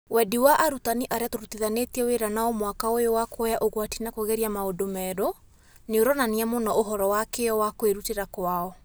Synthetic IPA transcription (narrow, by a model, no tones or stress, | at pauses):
wɛdiwaʔaɾutaniʔaɾeatoɾutiðanetiɛweɾanaɔmwakaojowakwɔjaʔoɣwatinakoɣɛɾiamaodomɛɾo | neoɾɔnaniamonɔʔoɦɔɾɔwakeɔwakoeɾuteɾakwaɔ